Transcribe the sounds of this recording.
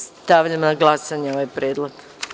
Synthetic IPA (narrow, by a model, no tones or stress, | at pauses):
st̪aʋʎamnaɡlˠasaɲeoʋajpɾeːd̪lˠaɡ̪